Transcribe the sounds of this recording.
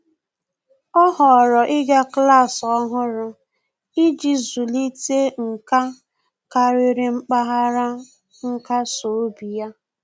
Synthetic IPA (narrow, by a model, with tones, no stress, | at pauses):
ɔ˦ɦɔ˨ɾɔ˨ʔɪ˦ɡa˦kla˦˨sɔ˦ɦʊ˦ɾʊ˦ | i˦d͡ʒi˨zu˨li˦te˦ŋ̩˨ka˦ | ka˨ɾɪ˦ɾɪ˨ŋ͡m̩˦k͡pa˦ɦa˦ɾa˦ | ŋ̩˦ka˦so˨˦bi˨ja˦